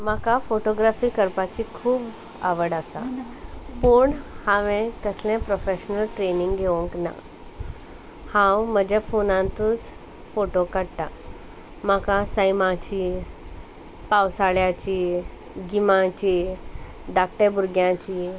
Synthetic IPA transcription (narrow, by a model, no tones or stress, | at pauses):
məkafoʈoɡɾafiːkəɾpat͡ɕikʰuːb | a̰ʋəɽasa̰ | puːɳhãʋẽk̪əslɛ̃pɾofeɕnəlʈɾeniŋɡɡʱeʋũŋkna̰ | hãwməd͡ʑafonãnt̪uːt͡s | foʈokəɽʈa | m̤akasəjmãt͡ɕiː | pawsaɭjat͡ɕiː | ɡimãt͡ɕi | d̪ak̚ʈebuɾɡjãt͡ɕiː